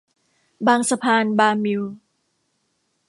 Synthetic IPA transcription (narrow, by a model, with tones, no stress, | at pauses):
baː˧ŋsa˧pʰaː˧nbaː˧mi˧w